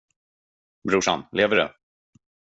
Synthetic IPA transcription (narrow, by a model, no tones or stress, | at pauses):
bɾuːʂa̰nleːvəɖɵ̰